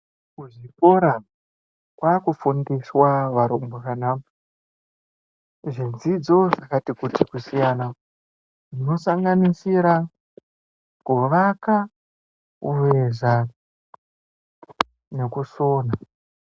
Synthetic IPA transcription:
kuʐiko̞ɾa | kwakufundiswaʋaɾombokanaːmu | ʐind͡zid͡zo̞ʐakatikutikusijana | ʐino̞saŋɡanisiɾa | kuʋaka | ureʐa | ne̞kusoːna

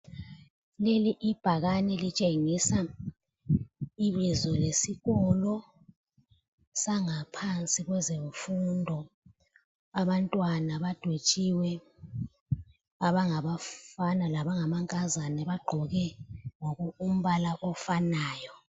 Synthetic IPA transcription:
leliʔib̥ʱaɣanɛlit͡ʃʼeŋisa | iβizɔlesiɣɔlɔ | saŋapʰant͡sʼiɣwɛzeɱfundʱɔ | aβantʼwanaβad̥ʱwet͡ʃʼiwɛ | aβaŋaβafanalaβaŋamaŋkʼazanɛβaɡ͡ǃʱɔɣɛŋoɣuum̩βalaʔɔfanaːjɔ

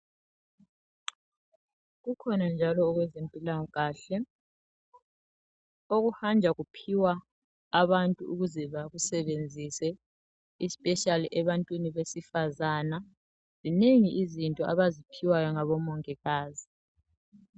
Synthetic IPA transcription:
ɣukʰɔnand͡ʒʱalɔːɣwɛzempʼilaŋɔɣaːɬɛ | oɣuhand͡ʒʱaɣupʰiwaː | βantʼuuɣuzɛβaɣusɛβend͡zʱisɛ | ispʼɛʃaliʔɛβantʼwiniβesifazaːna | z̥ineŋiʔizintʼɔʔaβazipʰiwajɔŋaβɔmɔŋɛɣaːzi

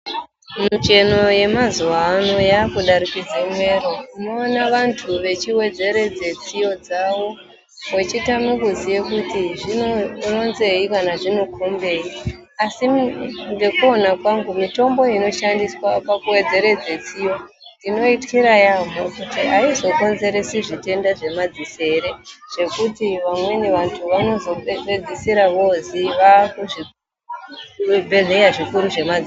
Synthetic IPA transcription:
mut͡ʃe̞no̞je̞mazuʋaːno̞jaːkuɗaɾikid͡zemwe̞ɾo̞inoːnaʋantʰuʋe̞t͡ʃiwe̞d͡ze̞ɾe̞d͡ze̞t͡sijo̞d͡zawo̞ | we̞t͡ʃitamikuzije̞kutiʐino̞ro̞nze̞ikanaʐino̞kʰo̞mbe̞i | asiŋɡe̞kuo̞nakwaŋɡumito̞mbo̞ino̞ʃandiswapakuwe̞d͡ze̞ɾe̞d͡ze̞t͡sijo | dino̞itkiɾajamokutiaizo̞ko̞nze̞ɾe̞siʐite̞ndaʐe̞mad͡zise̞ɾeʐ̥e̞kutiʋamwe̞neʋantʰuʋano̞zo̞ɓe̞d͡zisiɾaʋo̞ziʋakuʐi | bʱeɮejaʐikuɾuʐe̞mad͡zi

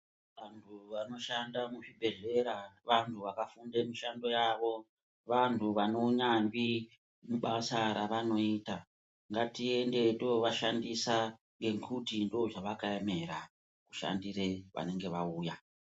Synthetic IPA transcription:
ʋantʰuʋano̞ʃandamuʐibʱe̞ɮe̞ɾaʋantʰuʋakafundemiʃando̞jaʋo̞ | ʋantʰuʋano̞ɲambi | muɓasaɾaʋano̞ita | ŋɡatie̞nde̞dooʋaʃandisa | ŋɡe̞kʰutindoːʐaʋakaeme̞ɾa | ku̥ʃa̰ndire̞ʋa̰ne̞ŋɡe̞ʋauːja

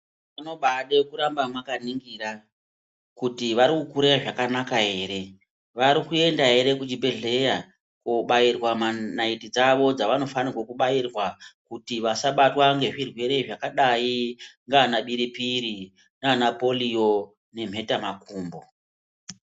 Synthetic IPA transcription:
ano̞ɓaɗekuɾambamwakaniŋɡira | kutiʋaɾikukuɾejaʐakanakaɦe̞ːɾe̞ | ʋaɾikue̞ndaɦe̞ɾe̞kud͡ʒibʱeɮe̞ja | kuɓajirwamanaitid͡zaʋo̞d͡zaʋano̞fanirwakuɓairwakutiʋasaɓatwaŋɡe̞ʐirwe̞ɾe̞iʐakaɗajiŋɡanaɓiɾipiɾi | nanapo̞lijo̞ | ne̞m̤e̞tamakuːmbo̞

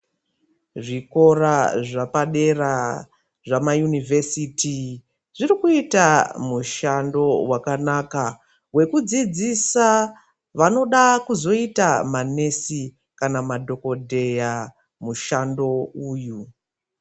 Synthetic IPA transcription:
ʐiko̞ɾaʐapaɗe̞ra | ʐamajunivʱesitʰi | ʐirikuitamuʃando̞wakanaka | we̞kud͡zid͡zisa | ʋano̞ɗakuzo̞itamane̞si | kanamadʱo̞ko̞dʱe̞ja | muʃando̞uːju

